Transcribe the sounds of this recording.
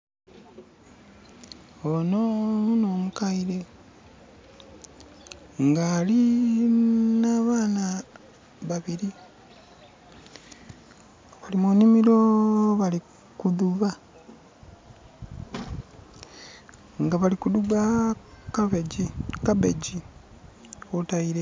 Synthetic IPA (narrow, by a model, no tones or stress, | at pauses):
onouno̞ːmukaiɾe̞ | ŋɡali | naːβaːna | βaβiɾi | βalimoːnimiɾo̞βali | kuðuβa | ŋɡaβalikuduɡakaβeikaβḛɟi | otaiɾe